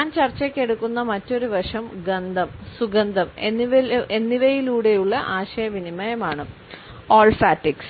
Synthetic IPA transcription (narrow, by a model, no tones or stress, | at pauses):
ɲaːnt͡ɕɐrt͡ɕːɐkʲːe̞ɽukːunːɐmɐtːo̞ɾuʋɐʂɐmɡɐnd̪ʱɐmsuɡɐnd̪ʱɐmenːiʋlenːiʋɐjiluːɽe̞juɭːɐʔaːɕɐjɐʋinimɐjɐmaːɳɨ | oːlfaːʈːiks